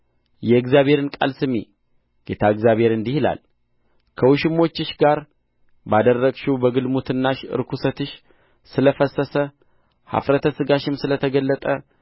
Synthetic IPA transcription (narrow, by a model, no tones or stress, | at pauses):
jɛɨɡzjaβhe̞ɾɨnkʼa̰lsɨme | ɡ̥et̪ʰaɨɡzjaβhe̞ɾɨnd̪ihɨla̰l | kʰəwuʃɪmːo̞t͡ʃːɪʃɡaɾ | bad̪ərːəɡʃuwbəɡɨlmut̪ʰɨnːaʃɨ̰ɾkʰusət̪ɨʃ | sɨləfəsːəsə | ha̰fɾət̪ʰəsɨɡaʃɪmsɨlət̪ʰəɡəlːət̪ʼə